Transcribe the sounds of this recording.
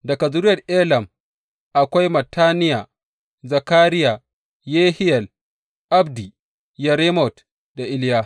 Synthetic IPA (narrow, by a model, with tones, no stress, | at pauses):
dɐ˨kɐ˨zʊ˦ɾɪ˦jɐ˨rʔeː˦lɐ˨m | ʔa˨kʷa˦jmɐ˨tʰːaː˦nɪ˦jaː˨ | zɐ˨kaː˦ɾɪ˦ja˨ | jeː˦hɪ˦jɐ˨l | ʔa˦bdi˨ | jɐ˨ɾe˦mɔ˨t | da˨ʔɪ˦ljaː˦